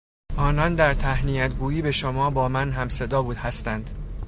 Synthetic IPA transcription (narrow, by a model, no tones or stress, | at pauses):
ʔɒːnɒnd̪æɾt̪ʰæhnijæt̪ɡuːjiːbe̞ʃomɒːbɒːmænɦæmse̞d̪ɒːbuːd̪hæst̪ænd̪̥